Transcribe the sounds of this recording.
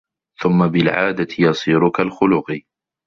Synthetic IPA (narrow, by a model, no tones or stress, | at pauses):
θʊmːabɪlʕa̰ːd̪at̪ɪjɑsˤiːɾʊkalxʊlʊq